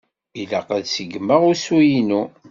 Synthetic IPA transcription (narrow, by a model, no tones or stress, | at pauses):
ila̰qæðsəɡmːəʁʊɾsujinu